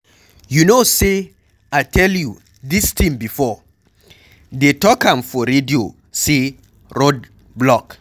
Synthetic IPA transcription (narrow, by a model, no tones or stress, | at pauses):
junose | aɪtʰɛlju | distʰĩmbifɔ | detɔkãmfɔɾedio | se | ɹod̚ | blɔk